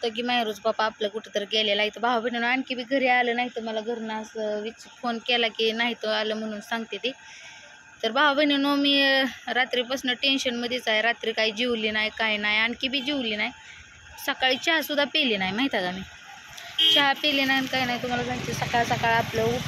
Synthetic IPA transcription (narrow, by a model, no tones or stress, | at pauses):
t̪ək̬iːmãjɾud͡zpapaːpləkuʈʰet̪əɾɡɛlelaɡit̪əbaɦabʱəɳinoaɳɖkibʱiːɡʱəɾealəːnaɦit̪əməlaɡʱəɾnasəʋit͡sfonkɛlakiːnaɦit̪oaləːm̤əɽ̃uːnsãŋɡt̪et̪i | t̪əɾbaabʱəɳinomiːɾat̪ɾiːpəsnəʈenɕənməd̪ʱjet͡saɦeɾat̪ɾiːkaɦiːd͡ʑiʋliːnaɦjkajnaɦjaɳɖkibʱiːd͡ʑiʋliːnaɦj | səkaɭiːt͡ɕaɦsud̪ʱːapeliːnaɦimaɦit̪aɡamiː | t͡ɕapelinaɦinkaɦinaɦit̪um̤alas̬ãŋɡt͡ɕesəkaɭsəkaɭapləu